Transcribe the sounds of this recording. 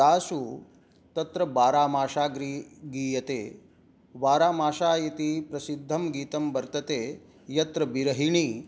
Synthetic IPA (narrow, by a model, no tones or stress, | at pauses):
aːsu | t̪ɐt̪ɾɐbaːɾaːmaːʃaːɡɾiːɡiːjɐt̪eː | ʋaːɾaːmaːʃaːjɐt̪ipɾɐsid̪ʱːɐmɡiːt̪ɐmbɐɾt̪ɐt̪eː | jɐt̪ɾɐbiɾɐɦiɳiː